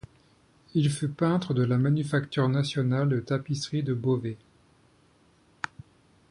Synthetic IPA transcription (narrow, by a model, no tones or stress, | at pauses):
ilfypɛ̃t̪χəd̪əlamanyfakt̪yʁnasjɔnald̪ət̪apisχid̪əbove